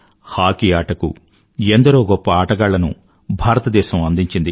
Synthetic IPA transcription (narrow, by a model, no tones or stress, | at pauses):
haːkiaːʈɐkṵ | end̪ɐɾoːɡɔpːɐaːʈɐɡaːɭːɐnṵ | bʱaːɾɐt̪ɐd̪ɛːʃɐmɐnd̪iɲt͡ʃind̪i